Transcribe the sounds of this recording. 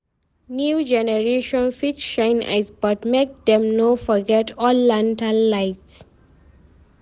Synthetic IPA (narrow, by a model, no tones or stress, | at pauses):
njud͡ʒɛnɛɹeʃɔ̃nfitʃãɪ̃na̰ɪsbatmek̚d̪ɛ̃mnofɔɡɛtɔlːãntanːaɪts